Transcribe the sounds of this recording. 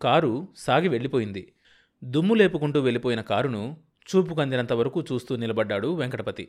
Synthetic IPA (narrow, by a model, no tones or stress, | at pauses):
kaːɾusaːɡiʋe̞ɭːipo̞ːjind̪i | d̪umːule̞ːpukuɳʈuːʋe̞ɭipoːjinɐkaːɾunu | t͡ʃuːp̬ukɐnd̪inɐnt̪ɐʋɐɾɐkuːt͡ʃuːst̪uːnilɐbɐɖːaːɽuʋeŋkɐʈɐpɐt̪ḭ